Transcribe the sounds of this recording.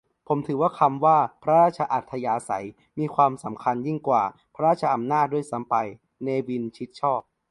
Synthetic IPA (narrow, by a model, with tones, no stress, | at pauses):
pʰo˩˦mt̪ʰɯː˩˦waː˥˩kʰa˧mwaː˥˩pʰɾa˦˥ɾaː˥˩t̪̚t͡ɕʰa˧ʔa˨˩t̪ʰːa˧jaː˧sa̰˩˦j | miː˧kʰwaː˧msa˩˦mkʰa˧nji˥˩ŋkwaː˨˩pʰa˦ɾaː˥˩t̚t͡ɕʰa˧ʔa˧mnaː˥˩du˥˩əjsa˩˦mpa˧j | neː˧wi˧nt͡ɕʰi˦˥t̪̚t͡ɕʰɔː˥˩p̚